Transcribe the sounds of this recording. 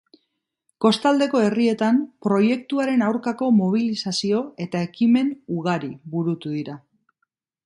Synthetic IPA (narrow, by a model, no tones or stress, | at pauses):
ko̞st̪ald̪e̞ko̞e̞rie̞t̪ampɾo̞je̞kt̪uaɾe̞nawɾkako̞mo̞β̞ilisasio̞e̞t̪ae̞kime̞nuɣaɾiβuɾut̪uðiɾa